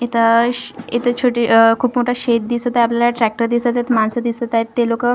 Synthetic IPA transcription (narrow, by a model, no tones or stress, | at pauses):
et̪əet̪ət͡ɕʰoʈikʰuːpmoʈʰaɕet̪̚d̪isət̪ajapljalaʈɾæk̚ʈəɾd̪isət̪aet̪mansəd̪isət̪ajet̪ːelokə